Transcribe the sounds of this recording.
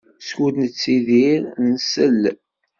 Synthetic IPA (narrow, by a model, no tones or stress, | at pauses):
skud̪nət͡sːiðiɾnsəlː